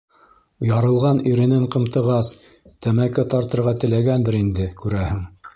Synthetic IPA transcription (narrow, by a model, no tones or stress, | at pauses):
jɑɾɤ̆lˠʁɑniɾɘ̆nɘɴqɤ̆mt̪ɤ̆ʁɑs | t̪æmækɘt̪ɑɾt̪ɤ̆ɾʁɑt̪ɘ̆læɡænd̪ɘɾind̪ɘkʉɾæhɘŋ